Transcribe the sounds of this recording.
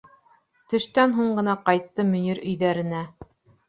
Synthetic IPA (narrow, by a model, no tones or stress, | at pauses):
t̪ɵ̆ʃt̪ænɦuɴɢɤ̆nɑqɑjt̪ːɤmɵ̆niɾɵ̆jðæɾɘ̆næ